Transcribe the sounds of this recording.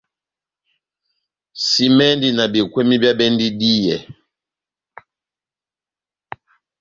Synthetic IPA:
si˦mɛ˦ndi˨na˨bi˨kwɛ˦mi˦bja˦bɛ˦ndi˦di˦jɛ˨

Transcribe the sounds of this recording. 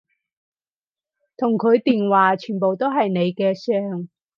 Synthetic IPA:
t̪ʰʊ˨˩ŋkʰɵ˨˧˥ɥt̪iː˨nwaː˨t͡ʃʰyː˨˩npo˨wt̪o˥wɦɐ˨jne˨˧jkɛː˧sœː˧ŋ

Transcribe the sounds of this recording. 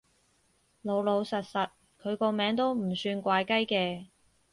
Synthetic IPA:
lo˨˧wlo˨˧wsɐ˨t̚sɐ˨t̚ | kʰɵ˨˧ɥkɔː˧mɛː˨˧ŋt̪o˥wm̩˨˩syː˧nkʷaː˧jkɐ˥jkɛː˧

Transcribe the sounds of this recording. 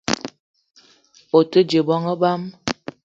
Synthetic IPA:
o˨tə˦d͡ʒe˨bɔ˦ŋə˦ba˦m

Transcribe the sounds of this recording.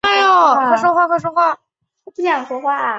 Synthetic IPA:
a˥˩jo˨˩wa˥˩ʂ̬wɔ˥xwa˥˧xwa˥˩ʂwɔ˥xwa˥˩˥ | pɕjɑ˨˩ŋʂwɔ˥xwa˥˩

